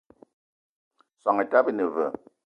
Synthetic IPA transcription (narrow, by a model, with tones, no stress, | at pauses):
swa˨ŋe˨ta˦bi˦nə˨və˨